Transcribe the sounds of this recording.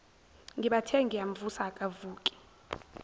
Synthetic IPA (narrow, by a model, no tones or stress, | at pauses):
ŋɡiɓatʰɛŋɡijam̩vusakʼavuːkʼi̥